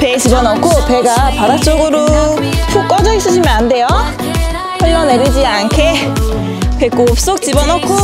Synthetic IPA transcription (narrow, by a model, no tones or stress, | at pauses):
pet͡ɕibʌnʌkʰope̞ɡapaɾak̚t͡ɕ͈oɡɯɾot͡ɕʰok͈ʌd͡ʑʌis͈ɯɕʰimjʌnande̞jo | hʌɭːʌne̞ɾid͡ʑiankʰe | pek͈op̚s͈ok̚t͡ɕibʌnʌkʰo